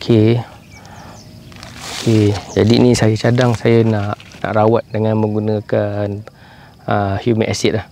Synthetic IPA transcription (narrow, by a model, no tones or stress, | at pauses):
okʰe | okʰed͡ʒadinĩsajat͡ʃadaŋsajanaʔna̰ʔrawat̪̚dəŋãnmə̃ŋɡunãkan | əhjumə̃ʔasit̪̚lah